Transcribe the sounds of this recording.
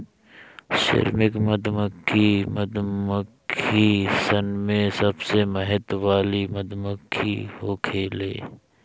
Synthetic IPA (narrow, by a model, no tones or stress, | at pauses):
ʃɪ̰ɾmɪkməd̪məkʰːiməd̪məkʰisɐnmẽsɐbseməɦɪt̪ʋaːlimɐd̪məkʰːḭhoːkʰeːlḛː